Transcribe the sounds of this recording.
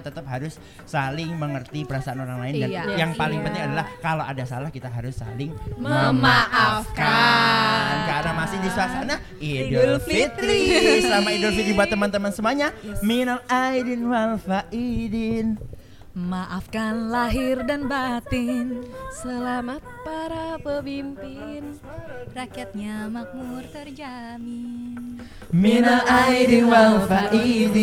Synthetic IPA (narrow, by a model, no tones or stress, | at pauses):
t̪ət̪əp̚ɦaɾʊs | salɪŋməŋərt̪ipəɾasaanoɾaŋlaɪndanjaŋpalɪŋpənt̪ɪŋadalahkaloʔadasalahkit̪aɦaɾʊsːa̰lɪŋməmaʔafka | nkanamasɪhdisuasana | idɔlfit̪ɾisəlamaidolfidibuat̪əmant̪əmansəmuaɲaminalajdinwalfaʔidin | maʔafkanlaɦɪrdanbat̪ɪnsəlamat̪̚paɾapəbimpɪn | rakiat̪̚ɲamak̚murt̪ərd͡ʒa | min | minalajdinwalfaʔid